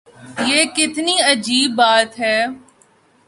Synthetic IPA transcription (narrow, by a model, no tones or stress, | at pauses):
jeːkɪt̪niɐd͡ʒiːbːaːt̪ɦɛː